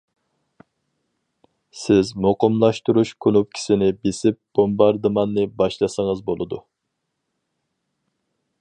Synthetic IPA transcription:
sɪzmoqʊmlˠɑʃt̪uɾuʃkʰonup̚kʲʰi̥sɪnɪbesɪp̚b̥ombɑɾd̪ɨmɑnːɨbɑʃlˠɑsəŋəɨzbolˠɨd̪u

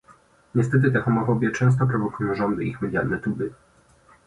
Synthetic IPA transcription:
ɲɛst̪ɛt̪̬ɘt̪ɛxɔmɔfɔbʲjɛt͡ʂɛ̃w̃s̬t̪ɔpɾɔvɔkujɔ̃w̃ʐɔnd̪ɘixmɛd̪ja̰lnɛt̪ubɘ

